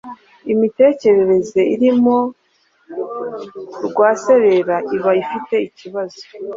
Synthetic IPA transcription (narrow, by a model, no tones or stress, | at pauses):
imite̞ːce̞ɾe̞ɾe̞ze̞iɾimo̞ | ɾɡwaːse̞ɾe̞ɾaʔiβaifite̞iciβazo